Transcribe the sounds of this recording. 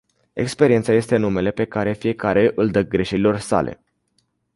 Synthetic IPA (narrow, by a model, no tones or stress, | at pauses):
ekspe̞ɾie̞nt̪saje̞st̪e̞nume̞le̞pe̞kaɾe̞fije̞kaɾe̞ʔɨld̪ək̚ɡɾeʃeɾilo̞rsa̰lʔe̞̰